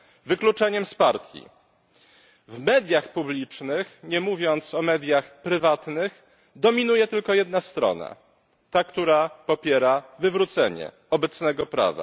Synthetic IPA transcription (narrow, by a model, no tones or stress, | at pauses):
vɘklut͡ʂɛɲɛmspaɾt̪ʲjḭ | vmɛd̪ʲjaxpublʲit͡ʂnɘxɲɛmuvʲjɔnt̪sɔmɛd̪ʲjaxpɾɘvat̪nɘx | d̪ɔmʲinujɛt̪ɘlkɔjɛd̪nast̪ɾɔ̰na̰ | t̪akt̪uɾapɔpʲjɛɾavɘvɾut̪sɛɲɛ̰ | ɔbɛt̪snɛɡɔpɾa̰va̰